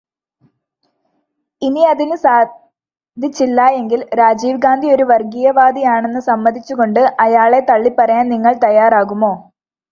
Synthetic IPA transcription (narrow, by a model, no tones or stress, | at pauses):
iniɐðinɨsaː | d̪ʱit͡ɕːilːaːje̞ŋɡilɾaːd͡ʑiːʋɡaːnd̪ʱijo̞ɾuʋɐrɡijɐʋaːd̪ijaːɳe̞nːɨsɐmːɐd̪ʱit͡ɕːuɣo̞ɳɖɨʔɐjaːɭe̞t̪ɐɭːipːɐrɐjaːnniŋːɐɭt̪ɐjːaːraːɣumo̞ː